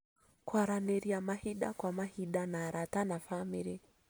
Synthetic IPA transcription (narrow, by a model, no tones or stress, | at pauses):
kwaɾaneɾiamahiɗakwamahiɗanaːɾatanafamiɾi